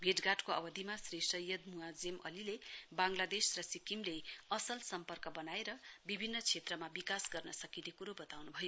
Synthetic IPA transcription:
bʱeʈɡaʈkoʌ̰bʌd̪ʱimasresʌjʌd̪̚muad͡zemʌ̰lilebaŋlad̪esrʌsikimleʌsʌlsʌmpʌrkʌbʌnaeɾʌbibʱinːʌt͡sʰet̪rʌmabikasɡʌrnʌsʌkinekuɾobʌt̪awnubʱʌjo

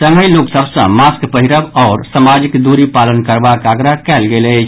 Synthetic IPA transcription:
səməjloksəbsə̰̃maskpəɦiɾəbɔːɾsamad͡ʒikd̪uɾipalənkəɾbakaɡɾakɛlɡelɛt͡ʃʰ

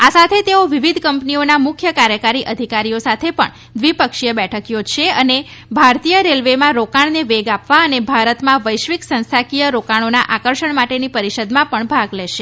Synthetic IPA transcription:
asat̪ʰet̪eoʋiʋid̪ʱkəmpnionamʊkʰjəkaɾjəkaɾiʔəd̪ʱikaɾijosat̪ʰepə̰ɳ | d̪ʋipəkʃijəbɛʈʰəkjot͡ʃʰeəne | bʱaɾt̪ijəɾelʋemãɾokaɳneʋeɡapʋaənebʱaɾət̪mãʋəjʃʋiksə̃nst̪ʰakijəɾokaɽ̃ona̰ʔakəɾʃəɳmaʈenipəɾiʃəd̪mãpəɳbʱaɡleʃe

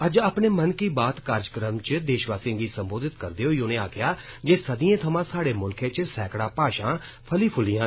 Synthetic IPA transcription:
əd͡ʒaːpɳeːmənkiːbaːt̪kaːɾd͡ʒkɾəmt͡ʃd̪eːʃʋaːsĩːɡiːsəmboːd̪ɪt̪kəɾd̪eːɦoːionẽːaːkʰjaːd͡ʒeːsəd̪ijẽːt̪ʰəmãːsaːɽeːmʊlkʰẽːt͡ʃsɛːkɽaːpaːʃãː | pʰəliːpʰʊlːijãː

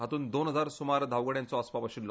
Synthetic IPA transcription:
ɦat̪uːnd̪onɦəd͡zaɾsumaɾd̪ʱaʋɡəɽjãnt͡sɔəspapəɕilːɔ

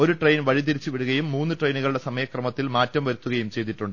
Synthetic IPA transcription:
oɾuʈrejnʋɐɻit̪̬iɾit͡ɕːuʋiɽuɣɐjumːuːnːɨʈrejnuɣɐɭɽe̞sɐmɐjɐkrɐmɐt̪ːilmaːtːɐmʋɐɾut̪ːuɣɐjumt͡ɕe̞jt̪̬ːiʈːuɳɖɨ

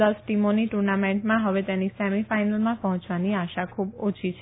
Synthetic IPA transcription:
əsʈimoniʈuɾnamẽɳʈmãɦəʋet̪enisɛmifajnəlmãpəɦɔ̃t͡ʃʋaniaʃakʰubot͡ʃʰit͡ʃʰe

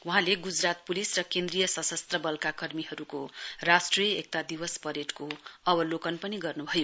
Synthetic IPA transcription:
wuɦãleɡud͡zrat̪̚pulisrʌkẽnd̪rijʌsʌsʌst̪rʌbʌlkakʌrmiɦʌɾukorasʈrijʌek̚t̪ad̪ibʌspʌɾeʈkoʌbʌlokʌnpʌniɡʌrnubʱʌjo

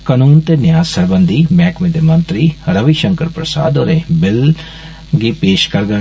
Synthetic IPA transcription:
kənuːnt̪eːnɪjaːzsəɾbənd̪iːmɛːkʰmẽːd̪eːmənt̪ɾiːɾəʋiʃəŋkəɾpɾəsa̰ːd̪oːɾeːbɪl | ɡiːpeːʃkəɾɡə

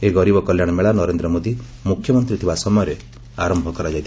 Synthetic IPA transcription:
eɡɔɾibɔkɔljaɽ̃ɔmeɭanɔɾend̪ɾɔmod̪i | mukʰjɔmɔnt̪ɾit̪ʰibasɔmɔjɔɾe | aɾɔmbʱɔkɔɾad͡ʒajt̪ʰ

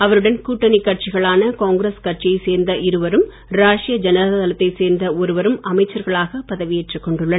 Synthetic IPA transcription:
ɐʋɐɾɯɽɐnkuːʈːɐnɪkːɐʈ̚t͡ʃɪɣɐɭaːnɐkaːŋɡɾeskɐʈ̚t͡ʃijɐɪseːɾnd̪ɐʔɪɾɯʋɐɾɯm | ɾaːʂɪjɐd͡ʒɐnɐððɐlɐt̪ːɐɪseːɾnd̪ɐɔɾɯʋɐɾɯmɐmɐɪt͡ʃːɐɾɣɐɭaːɣɐpɐðɐʋɪjɛʈrɯkːɔɳɖɯɭːɐ

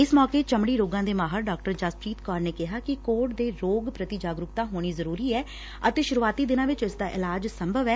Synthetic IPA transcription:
ɪsmɔːkeːt͡ʃəmɽiːɾoːɡãːd̪eːmaːɦəɾɖaːk̚ʈəɾd͡ʒaːspɾiːt̪kɔːɾneːkɪɦaːkɪkoːʈd̪eːɾoːɡpɾət̪id͡ʒaːɡɾʊkt̪aːɦoːɽ̃iːzəɾuːɾiːɛː | ət̪eːʃʊɾuːaːt̪iːd̪ɪnãːʋɪt͡ʃɪsd̪aːʔɪlaːd͡ʒsəmbʱəʋɛː

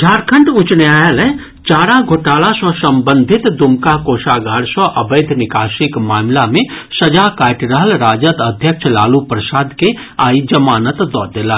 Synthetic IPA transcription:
d͡ʒʱaːɾkʰə̃ɳʈʊt͡ʃneaːjəlɛ̃ | t͡ʃaːɾaɡʱoːʈaːlasɔsɐ̃mbə̃nd̪ʱɪt̪d̪umkakoːʃaːɡaːɽsɔʔɐbeːd̪ʱnɪkaːʃɪkmaːmlamẽsɐd͡ʒakaːʈɾəɦəlɾaːd͡ʒət̪əd̪ʱjəkʃʰlaːlupɾəsaːd̪ke | aːid͡ʒɐmaːnət̪d̪ɔ̰ːɾd̪ela

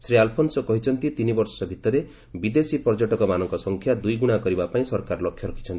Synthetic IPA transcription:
sɾialpʰonsɔkɔɦit͡ʃʰɔnt̪it̪inibɔɾsɔbʱit̪ɔɾe | bid̪esipɔɾd͡ʒɔʈɔkɔmanɔŋkɔsɔŋkʰjad̪ujɡuɽ̃akɔɾibapaĩsɔɾkaɾɔlɔkʰjɔɾɔkʰi̥t͡ʃʰɔnt̪i

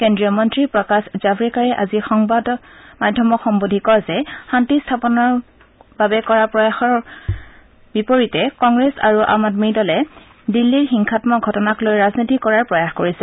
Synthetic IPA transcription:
kendɹiɔmɔntɹiɹpɹɔkasz̥afʰɹikaɹɛʔazixɔŋbadɔmadʱjɔmɔxɔmbodʱikɔzɛxantistʰapɔnɔɹ | babɛkɔɹapɹɔjaxɔɹ | bipoɹitɛkɔŋɡɹesa̰ɹuʔa̰madmidɔlɛ | dilːiɹxiŋkʰatmɔɡʱɔtɔnaklojɹaznitikɔɹaɹpɹɔjaxkoɹisɛ

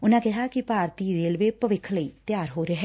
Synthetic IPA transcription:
ʊnãːkɛɦaːkɪpaːɾt̪iːɾeːlʋeːpəʋɪkʰləiːt̪jaːɾɦoːɾəɦɛː

